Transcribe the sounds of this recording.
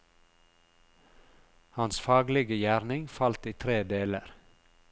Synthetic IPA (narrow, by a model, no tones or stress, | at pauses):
hɑnsfɑːɡlɪɡəjæːɾnɪŋfɑlt̪iːt̪ʰɾeːd̪eːləɾ